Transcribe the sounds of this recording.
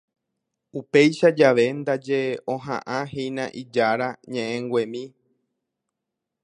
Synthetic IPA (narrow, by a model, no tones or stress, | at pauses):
upe̞jʃad͡ʒaʋe̞nd̪ad͡ʒe̞õɦã̰ʔãɦejnãʔid͡ʒaɾaɲẽʔẽŋɡʷẽmĩ